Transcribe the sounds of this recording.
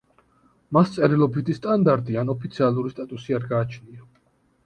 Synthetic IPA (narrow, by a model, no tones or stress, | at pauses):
mast̪sʼɛɾilˠɔbid̪ist̪ʼand̪aɾt̪ʼianɔpʰit̪sʰialˠuɾist̪ʼat̪ʼusiaɾɡaːt͡ʃʰnia